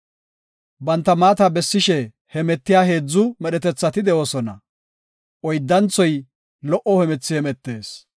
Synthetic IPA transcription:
bɐnt̪ːɐmaːt̪ɐbɛsːɪʃɛ | hɛmɛt̪ːɪjaːɦe̞ːd͡zːʊmɛɗɛt̪ɛt͡sːɐt̪ɪd̪ɛʔoːsɔnɐ̰ | ʔɔjd̪ːɐnt͡sːɔj | lɔʔɔhɛmɛt͡sːɪhɛmɛt̪ːe̞ːs

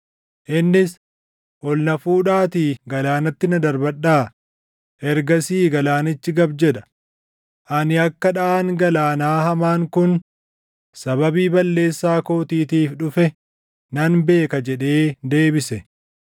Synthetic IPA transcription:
ʔɪnːɪs | ʔɔlnɐfuːᶑaːt̪iɡɐlaːnɐt̪ːɪnɐd̪ɐɾbɐɗːaː | ʔɛɾɡɐsiːɡɐlaːnɪt͡ʃːɪɡɐbd͡ʒɛᶑɐ̥ | ʔɐnɪɐkːɐᶑɐʔaːŋɡɐlaːnaːhɐmaːŋkʊn | sɐβɐbiːbɐlːe̞ːsːaːko̞ːt̪iːt̪iːfɗʊfɛ | nɐnbe̞ːkɐd͡ʒɛᶑe̞ːd̪e̞ːbɪsɛ

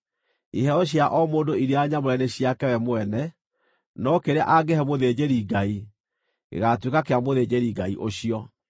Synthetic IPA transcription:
iɦɛɔɕ̬jaʔɔmoːndoiɾeaɲamoɾɛnɛɕiakɛwɛmoɛnɛ | nɔkeɾea̰ʔaɡɛɦɛmoðed͡ʑeɾiɡai | ḛɣatwekakeamoðed͡ʑeɾiɡaiʔoɕiɔ

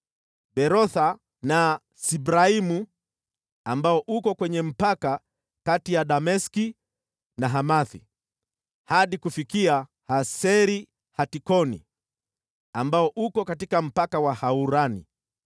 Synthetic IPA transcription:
bɛɾɔθa | na | sibɾaimu | ambaɔʔukɔkwɛɲɛm̩paka | katijaɗamɛski | naɦamaθḭ | haɗikufikia | hasɛɾi | hatikɔnḭ | ambaɔʔukɔkatikam̩pakawahauɾanḭ

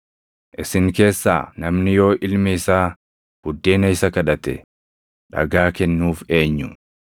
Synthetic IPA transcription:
ʔɪsɪŋke̞ːsːa̰ːnɐmnɪjo̞ːʔɪlmɛɪsaː | b̥ʊd̪ːe̞ːnɐɪsɐkɐᶑɐt̪ɛ̰ | ᶑɐ̰ɡaːkɛnːuːfe̞ːɲːʊ

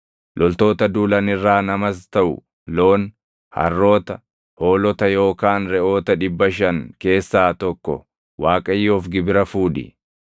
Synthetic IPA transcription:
lʔɔlt̪o̞ːt̪ɐd̪uːlɐnɪrːaːnɐmɐst̪ɐʔʊ̰ | loːn | hɐ̰rːo̞ːt̪ɐ | hoːlɔt̪ɐjo̞ːkaːnɾɛʔo̞ːt̪ɐᶑɪbːɐʃ̬ɐŋke̞ːsːaːt̪ɔkːɔ̰ | waːkʼɐjːɔfɡɪbɪɾɐfuːᶑɪ̰

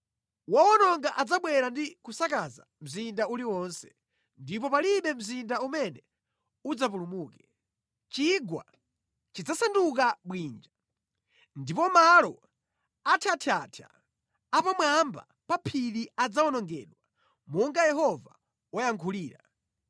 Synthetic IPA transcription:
wawɔnɔŋɡaʔad͡zaɓwɛɾandikusakaza̰m̩zindauliwɔnsɛ̥ | ndip̬ɔpaliɓɛm̩zindaumɛnɛ | ud͡zap̬ulumuːkɛ̥ | t͡ʃiɡwa̰ | t͡ʃid͡zasanduk̬aɓwiːnd͡ʒa | ndipɔmalɔ | atʰiatʰiatʰa̰ | apamwamba̰ | papʰiɾiad͡zaɔnɔŋɡɛ̰ɗwa | mɔŋɡajɛɦɔva | ɔjaŋkʰuliːɾa

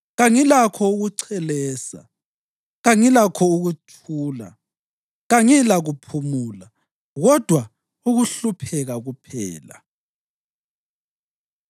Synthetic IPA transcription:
ɣaŋilakʰɔuɣuǀʰɛlɛːsa̰ | ɣaŋilakʰɔuɣutʰuːla̰ | ɣaŋilaɣupʰumuːla | ɣɔd̥ʱwa | uɣuɬupʰɛɣaɣupʰɛ̰ːla̰

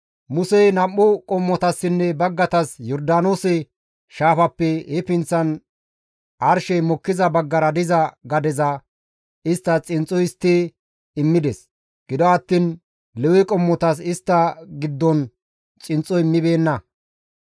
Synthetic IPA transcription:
mʊsɛnɐmːɔkʼɔmːɔt̪ɐsːɪnːɛbɐɡːɐt̪ɐsjɔɾd̪aːnoːsɛ | ʃaːfɐpːɛɛpɪnt͡sːɐn | ɐɾʃɛjmɔkːɪzɐbɐɡːɐɾɐd̪ɪzɐɡɐd̪ɛzɐ | ɪst̪ːɐt͡sʼɪnt͡sʼːɔjɪst̪ːɪ | ɪmːɪd̪ɛs | ɡ̥ɪd̪ɔɐt̪ːin | lɛwɛkʼɔmːɔt̪ɐsɪst̪ːɐɡɪd̪ːɔn | t͡sʼɪnt͡sʼːɔɪmːɪbe̞ːnːɐ

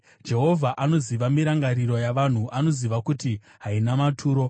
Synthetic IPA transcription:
d͡ʒe̞ɦo̞vʱaʔano̞ziʋamiɾaŋɡaɾiɾo̞jaʋan̤uʔano̞ziʋakuti | ɦainamatʰuːɾo̞

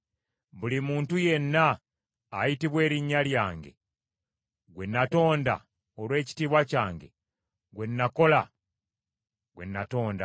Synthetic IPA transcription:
βulimuːntuje̞nːaː | jitiβwe̞ːɾiɲːaljaːŋɡe̞̰ | ɡwe̞nːato̞ːnda̰ | olwe̞ːci̥tiːβwacaːŋɡe̞̰ | ɡwe̞nːako̞la | ɡwe̞nːato̞ːnda̰

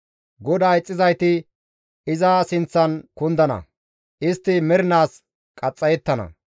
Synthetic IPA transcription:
ɡɔd̪aːjɪt͡sʼːɪzɐjt̪ɪ | ɪzɐsɪnt͡sːɐnkʊnd̪ɐnɐ̰ | ʔɪst̪ːɪmɛɾɪnaːs | kʼɐt͡sʼːɐjɛt̪ːɐnɐ̰

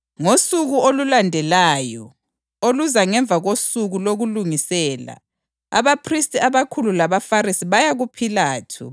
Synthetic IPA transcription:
ŋosuɣuolulandʱɛlaːjɔ | oluzaŋɛɱb̪vʱaɣosuɣuloɣuluŋisɛːla̰ | a̰βapʰristʼiaβakʰululaβafarisiβajaɣupʰilaːtʰṵ

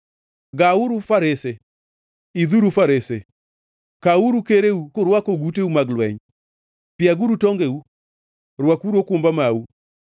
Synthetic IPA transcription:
ɡauɾufaɾese | iðuɾufaɾese | kauɾukeɾeukʊɾwakoɡuteumaɡlwɛɲ | pɪjaɡuɾutɔŋɡeu | ɾwakuɾokʊmbamau

